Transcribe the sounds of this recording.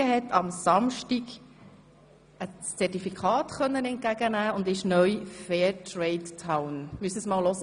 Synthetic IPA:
əhɛtʰɑmsɑmʃtiɡ | ət͡sɛtifikʰɑːtχœnːənɛnt̚kæɡ̥ənæːʊndɪʃnœjfɛːtɹɛɪttʰawnmyəsəsmɑːllɔzə

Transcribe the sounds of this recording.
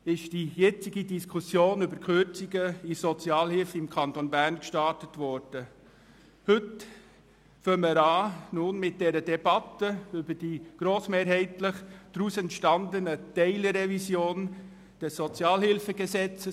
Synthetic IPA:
ɪʃd̥ijɛt͡sɪɡidiskʰusjoːnʏbəɾkχʏɾt͡sɪɡəisɔt͡sjɑːlhɪlfɪmkʰɑntonbæɾnkʃtɑtətvɔɾd̥ə | hʏt | fœməɾaːnunmɪt̚d̥ɛɾədɛbɑtəʏbəd̥iːɡ̥ɾoːsmeːɾɦɛɪtləχd̥ɾuːsɛntʃtɑndənətɛɪləɾɛvisjoːn | d̥ɛssɔt͡sjɑːlhɪlfəɡəsɛt͡sə

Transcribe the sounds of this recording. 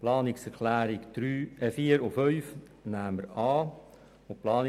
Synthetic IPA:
plɑːnɪksɛɾkʰlæːɾɪkd̪̥ɾyːɛfiːəɾofœʏf | næːməɾɑː | oplɑːn

